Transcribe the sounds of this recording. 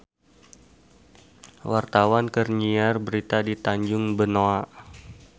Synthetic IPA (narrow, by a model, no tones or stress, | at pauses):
wart̪awankərɲiarbəɾit̪adit̪aɲd͡ʒʊŋbənoa